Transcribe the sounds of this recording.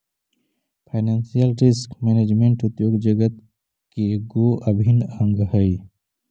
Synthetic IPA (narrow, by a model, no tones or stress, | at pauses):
pʰaɪneːnsijəlɾɪskmeːneːd͡ʒmẽɳʈʊd̪joːɡd͡ʒəɡət̪ | keɡoːʔəbʱinə̃ŋɡɦəi